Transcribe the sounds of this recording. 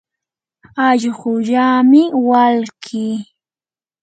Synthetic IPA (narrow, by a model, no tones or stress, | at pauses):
aʎɢʊʎaːmɪwalkʰiː